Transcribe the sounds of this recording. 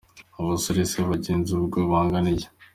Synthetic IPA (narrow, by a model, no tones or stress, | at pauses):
aβasoɾeseβaɟeːnzuβuɾɡoβaːŋɡanija